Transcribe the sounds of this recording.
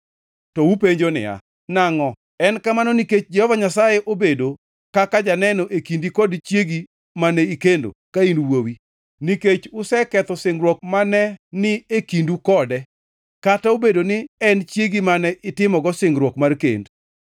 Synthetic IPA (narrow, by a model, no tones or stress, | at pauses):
tɔupeɲd͡ʒonɪ̰a̰ | naŋɔ | ɛnkamanɔniket͡ʃd͡ʒɛhɔvaɲasajeʔobedo | kakad͡ʒanɛnoʔekindikɔdt͡ʃjeɡi | manɛikendo̰kainwowi | niket͡ʃʊsɛkɛt̪ɔsɪŋɡɾwɔk̚manɛnɪekindukɔdɛ | kataobedonɪɛnt͡ʃjeɡimanɛʔɪtɪmɔɡɔsɪŋɡɾwɔkmarkḛnd